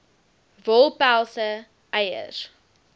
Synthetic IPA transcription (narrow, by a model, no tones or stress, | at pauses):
vɔlˠpælˠsə | ʔɛjə̰r